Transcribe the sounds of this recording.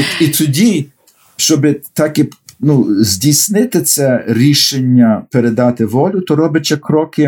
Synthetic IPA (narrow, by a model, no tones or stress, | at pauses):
it̪ʊdʲi | ʃt͡ʃɔbɪt̪ɑkinuzʲdʲisʲnɪt̪ɪt̪sɛɾʲiʃenʲːɐpeɾed̪ɑt̪ɪʋɔlʲʊt̪ɔɾɔbɪt͡ʃɛkɾɔkɪ